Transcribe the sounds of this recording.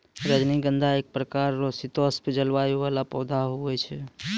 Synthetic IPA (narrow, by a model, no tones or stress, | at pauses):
ɾəd͡ʒniɡənd̪ʱaek̚pɾəkaɾːosit̪ospd͡ʒəlʋajoʋalapɔwd̪ʱaɦuɛt͡ʃʰɛ